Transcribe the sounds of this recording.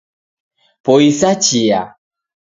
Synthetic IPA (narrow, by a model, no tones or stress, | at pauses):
poisat͡ʃia